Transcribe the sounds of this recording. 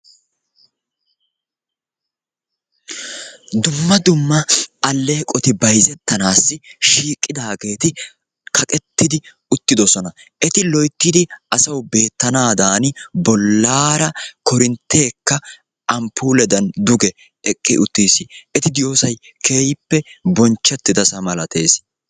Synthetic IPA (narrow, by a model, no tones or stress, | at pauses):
d̪ʊmːɐd̪ʊmːɐɐlːe̞ːkʼɔt̪ɪbɐjzɛt̪ːɐnaːsːɪʃiːkʼːɪd̪aːɡe̞ːt̪ɪ | kʰɐkʼɛt̪ːɪd̪ɪ | ʊt̪ːɪd̪ɔsɔnɐʔɛt̪ɪlɔjt̪ːɪd̪ɪʔɐsɐwbe̞ːt̪ːɐnaːd̪aːnbɔlːaːɾɐkɔɾɪnt̪ːe̞ːkːɐ | ʔɐmpːuːlɛd̪ɐnd̪ʊɡɛ | ɛkʼːɪ̰ʔʊt̪ːiːsɪɛt̪ɪd̪ɪjo̞ːsɐj | kʰe̞ːjɪpːɛbɔnt͡ʃːɛt̪ːɪd̪ɐsɐmɐlɐt̪ʰḛːs